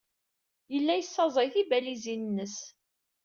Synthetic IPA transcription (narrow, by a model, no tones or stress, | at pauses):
jəlːæjəsːɑzˤəjθibælizinnːəs